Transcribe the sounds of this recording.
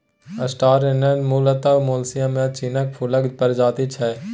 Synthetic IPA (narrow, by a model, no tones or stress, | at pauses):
əsʈaːɾenənmuːlət̪aʋmoːlsɪjãːmẽt͡ʃiːnək̚pʰʊləɡpəɾd͡ʒaːt̪it͡ʃʰɛː